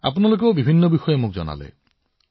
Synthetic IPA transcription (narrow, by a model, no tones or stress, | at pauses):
a̰pnalok̬ewbibʱinːobixɔjemuk̚d͡ʒɔ̰na̰lḛ